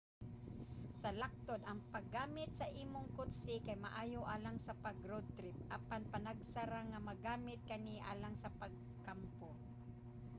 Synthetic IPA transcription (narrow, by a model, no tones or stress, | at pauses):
sɐlak̚t̪od̪ɐŋpaɡːaːmɪt̪̚sɐʔiːmʊŋkʊt̪sɪkajma̰ʔaːjoʔaːlaŋsapaɡɾod̪̚t̪ɾɪp̚ʔapanpanaɡsaɾaŋamaɡaːmɪt̪̚kaniʔa̰ːlaŋsapaɡ̚ | kampo